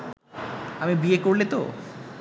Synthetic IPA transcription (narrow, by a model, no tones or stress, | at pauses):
amibiekoɾlet̪o̰